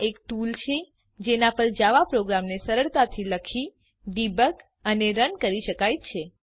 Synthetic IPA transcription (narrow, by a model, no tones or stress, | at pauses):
ekʈult͡ʃʰe | d͡ʒenapəɳd͡ʒaʋapɾoɡɾamnesəɾəɭt̪at̪ʰiləkʰi | ɖibək | əneɾənkəɾiʃəkajt͡ʃʰe